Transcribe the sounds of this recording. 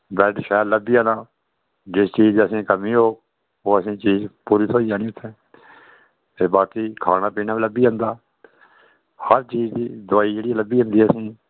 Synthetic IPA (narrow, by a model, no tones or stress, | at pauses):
bɛːʈʃɛːɾləbiːãːnaː | d͡ʒɪst͡ʃiːd͡ʒəsĩːkəmĩːɦoːk̚ | oːəsĩːt͡ʃiːzpuːɾiːt̪ʰoːiaːnĩːʊt̪ʰːẽː | eːbaːt̪iːkʰaːnaːpiːnaːiːləbiːə̃nd̪aː | həɾt͡ʃiːd͡ʒd̪iːd̪ʊaːiːd͡ʒeːɽiːləbiːɦə̃nd̪iːəsĩː